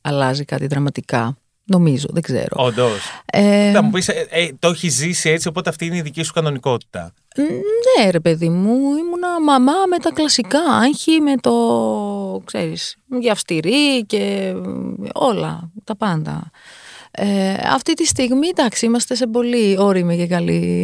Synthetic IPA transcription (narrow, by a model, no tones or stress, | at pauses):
ɐlɐzikɐt̪iðɾɐmɐt̪ikɐ̰ | no̞mizo̞̰ðeɡze̞̰ɾoond̪oseɐmupiset̪oçizisie̞t͡sio̞po̞t̪eɐft̪iineiðicisu̥kɐno̞niko̞t̪i̥t̪ɐ̰ | neɾe̞pe̞ðimuimunɐmɐmɐme̞t̪ɐklɐsikɐɐɲçime̞t̪o̞ | kse̞̰ɾisʝeɐfst̪iɾice̞ | o̞lɐ̰t̪ɐpɐnd̪ɐ̰ | eɐ̰ft̪it̪ist̪iɣmid̪ɐksiimɐst̪e̞se̞bo̞lio̞ɾiimecekɐlḭ